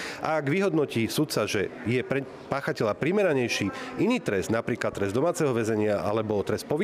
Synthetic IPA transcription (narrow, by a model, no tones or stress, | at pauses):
ʔa̰ːɡʋiɦɔd̪nɔciːsut̪saʒɛjɛ | paːxacɛʎapɾimɛɾaɲɛjʃiːiniːt̪ɾɛzd̪napɾiːklat̪ːɾɛzd̪ɔmaːt͡sɛɦɔʋɛzɛɲɪaʔa̰lɛbɔt̪ɾɛs̚pɔʋi